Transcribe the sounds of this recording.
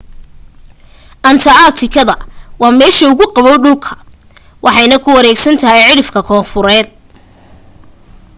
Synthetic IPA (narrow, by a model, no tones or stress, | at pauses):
ʔɐnt̪ʰɐat̪ʰɪkʰɐðɐwɑːmɛːʃɐʊɣʊqɑβɔwɖʊlkʰɐ̥ | wʔɑħɑjnɐkʰʊwɐɾɛːɡsɐnt̪ʰɐɦɛjʕɪɽɪfkʰɐkʰɔːfʊɾɛːd̪̚